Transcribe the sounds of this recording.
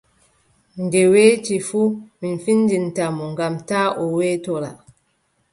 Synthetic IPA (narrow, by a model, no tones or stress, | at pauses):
ndɛweːtifuminfindintamɔŋɡamtaːʔɔwɛːtɔɾa̰